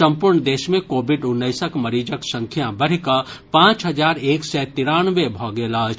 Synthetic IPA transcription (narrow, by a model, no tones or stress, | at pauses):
ɐ̃mpʊɾɳd̪eːʃmẽkoːbɪɖʊnːəɪsəkmɐɾiːd͡ʒəksə̃ŋkʰjãbɐɽ̤kə | pãːt͡ʃɦɐd͡ʒaːɾeːksɛt̪ɪɾaːnʋebʱɔːɡeːlat͡ʃʰ